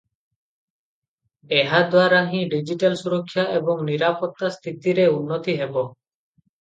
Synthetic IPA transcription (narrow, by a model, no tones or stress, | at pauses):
eɦad̪waɾaɦĩɖid͡ʒiʈalsuɾɔkʰːjaʔebɔŋniɾapɔt̪ːast̪ʰit̪iɾeunːɔt̪iɦebɔ